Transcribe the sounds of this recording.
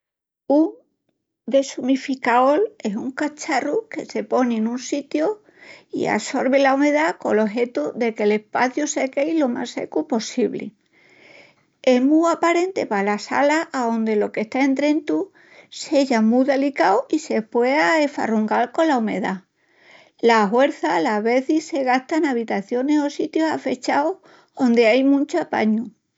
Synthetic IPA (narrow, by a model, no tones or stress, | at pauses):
uŋ | d̪e̞sumifikaole̞suŋkat͡ʃaruke̞se̞po̞nenũnsit̪jo | ḭa̰so̞ɾβelaume̞ðako̞̰lo̞ɦe̞t̪uðe̞ke̞le̞hpaθjusekejlo̞ma̰se̞̰kupo̞siβlḭ | e̞ɦmuapaɾe̞nt̪e̞palasa̰laaðo̞nd̪e̞lo̞ke̞ht̪aent̪ɾẽ̞nt̪u | se̞ʝamuðe̞likawise̞pweaefa̰ruŋɡalko̞nlaume̞ða | laɦwe̞ɾθalaβe̞θise̞ɣ̞aht̪anaβ̞it̪aθjo̞ne̞so̞sit̪josa̰fe̞t͡ʃao | o̞nd̪eajmũnt͡ʃoapa̰ɲu